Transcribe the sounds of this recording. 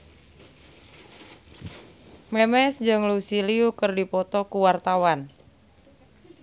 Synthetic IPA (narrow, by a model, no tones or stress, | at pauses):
mɛmɛsd͡ʒəŋlusiliukərdipɔt̪ɔkuwart̪awan